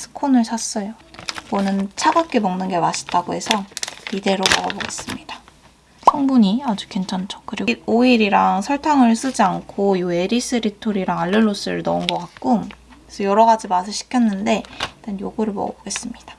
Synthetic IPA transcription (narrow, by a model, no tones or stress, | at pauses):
sʰɯ̥kʰonɯɭsʰas͈ʌjomʌnɯnt͡ɕʰaɡak͈emʌŋnɯnɡe̞maɕʰi̥t͈aɡoɦe̞sʰʌide̞ɾobʌɡʌboɡe̞s͈ɯmɲid̥a | pʰʌŋbuɲiad͡ʑu̥kint͡ɕʰant͡ɕʰo̥kɯɾioiɾiɾaŋsʰʌɭtʰaŋɯɭs͈ɯd͡ʑiankʰojoe̞ɾis͈ɯɾitʰoɾiɾaŋaʎːɯɭːos͈ɯ̰ɾɯnʌunɡʌk͈ak̚k͈uŋesʰʌjʌɾʌɡad͡ʑimas̬ʰɯɕʰi̥kʰjʌnːɯnde̞t͈anjoɡuɾɯɭmʌ̰ɡʌ̰boɡe̞s͈ɯmɲid̥ḁ